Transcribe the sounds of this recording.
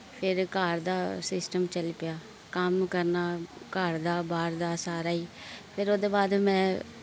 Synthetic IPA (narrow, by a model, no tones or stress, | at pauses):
pʰɪɾkaːɾd̪aːsɪsʈəmt͡ʃəlpɪjaː | kəmkəɾnaːkaːɾd̪aːbaːɾd̪aːsaːɾaːiːpʰɪɾoːd̪eːbaːd̪mɛ̃ː